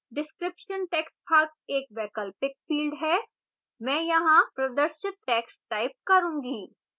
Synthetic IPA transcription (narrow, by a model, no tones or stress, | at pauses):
ɖɪskɾɪpʃənʈɛːkspʰaːɾt̪eːk̚ʋɛːkəlpɪk̚fiːlɖɦɛː | mɛ̃ːjɐɦãpɾɐd̪əɾʃɪt̪ʈɛːksʈaːɪp̚kɐɾũːŋɡiː